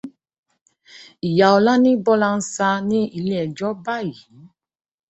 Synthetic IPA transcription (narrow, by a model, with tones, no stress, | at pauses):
i˨ja˨ɔ˧la˦nĩ˦bɔ˦la˧n̩˦sa˧nĩ˦i˦˧le˦ɛ˨d͡ʒɔ˦ba˦˨i˨ĩ˨˦